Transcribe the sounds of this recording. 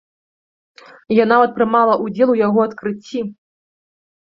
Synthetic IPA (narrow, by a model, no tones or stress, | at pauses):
janavɐt̪̚pɾɨmalˠɐʔud͡zʲɛlˠujaɣɔɐt̪kɾɨt͡sʲːi